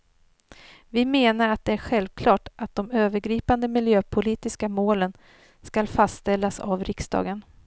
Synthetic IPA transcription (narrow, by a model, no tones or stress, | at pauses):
vɪmeːnaɾat̪̚d̪ɛæɾɧɛlvkʰlɑːʈʔat̪̚d̪ɔmøːvəɾɡɾiːpand̪əmɪljøːpʰʊliːt̪ɪskamoːlən | skalfast̪t̪ɛlːasa̰vɾɪksd̪ɑ̰ːɡən